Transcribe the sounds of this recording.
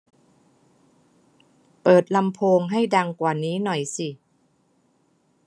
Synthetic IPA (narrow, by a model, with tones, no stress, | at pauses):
pɤː˨˩t̪̚la˧mpʰoː˧ŋɦa˥˩jda˧ŋkwaː˨˩niː˦˥nɔ˨˩jsi˨˩